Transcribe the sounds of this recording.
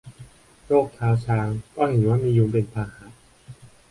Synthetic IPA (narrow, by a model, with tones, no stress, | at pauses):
ɾoː˥˩k̚t̪ʰaː˧wt͡ɕʰaː˧ŋkɔː˥˩he˩˦nwaː˥˩miː˧juː˧ŋpe˧npʰaː˧haː˩˦˥